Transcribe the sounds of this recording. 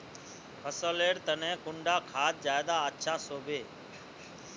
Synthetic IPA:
pʰəsəleːɽt̪ənɛ̃ːkʊɳɖaːkʰaːt̪̚d͡ʒaːjd̪aːətːʃʰaːsoːbʱeː

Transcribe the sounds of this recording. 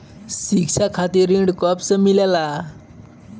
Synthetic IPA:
sik̚t͡sʰakʰat̪iɾiɳɖkʌpsʌmilela

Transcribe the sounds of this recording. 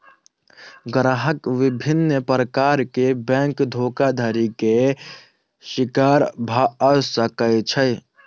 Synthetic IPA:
ɡɾaɦəkʋibʱinːəpɾəkaɾkebɛ̃ŋkd̪ʱoːkad̪ʱəɾike | ʃikaɾbʱaəsəkəɪt͡ʃʰəj

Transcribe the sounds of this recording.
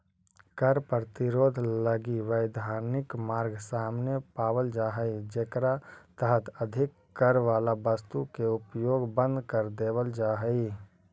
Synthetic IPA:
kəɾpɾət̪ɪɾoːd̪ʱləɡiʋəɪd̪ʱaːɾnɪkmaːɾɡsaːmnepaːwəld͡ʒaːɦəid͡ʒekɾat̪əɦət̪əd̪ʱɪkːəɾʋaːlabəst̪ukeʊpjoːɡbə̃nd̪ʱkəɾd̪eːwəld͡ʒaːɦəi

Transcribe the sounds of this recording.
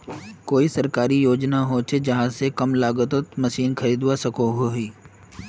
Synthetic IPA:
koːisɐɾkaːɾijoːd͡ʒnaɦot͡ʃʰed͡ʒɐɦãsekɐmlaːɡət̪ət̪mɐʃiːnkʰɐɾiːd̪wasɐkoɦoɦiː

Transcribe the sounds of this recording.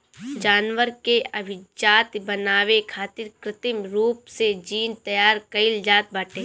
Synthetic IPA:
d͡ʒaːnʋəɾkeɐbʱɪd͡ʒaːt̪bɐnaːʋekʰaːt̪ɪɾkɾɪt̪ɪmɾuːpsed͡ʒiːnt̪ɐjaːɾkɐɪld͡ʒaːt̪̚baːʈʰẽː

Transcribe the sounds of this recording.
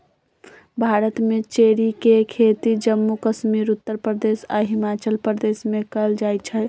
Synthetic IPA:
bʱaːɾət̪mẽt͡ʃeːɽikekʰet̪id͡ʒəmːukəʃmiːɾʊt̪ːəɾpɾəd̪eːsa̰ɦɪmaːt͡ʃəlpɾəd̪eːsmẽkəld͡ʒaːjt͡ʃʰɛ

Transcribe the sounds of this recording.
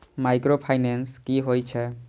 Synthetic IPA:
majkɾopʰajnenskiɦojt͡ʃʰɛ

